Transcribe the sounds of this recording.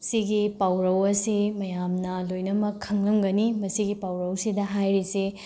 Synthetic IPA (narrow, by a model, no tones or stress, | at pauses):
siɡipawɾɐwɐsimɐjamnɐlojnɐmɐkʰːɐŋlɐmɡɐnimɐsiɡipawɾɐwsidɐɦajɾise